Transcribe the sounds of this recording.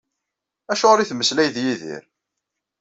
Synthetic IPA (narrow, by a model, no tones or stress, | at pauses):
æʃʊʁɾiθməslæjðjiðḭɾ